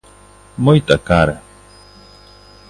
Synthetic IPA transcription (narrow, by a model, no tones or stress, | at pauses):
mojt̪akaɾe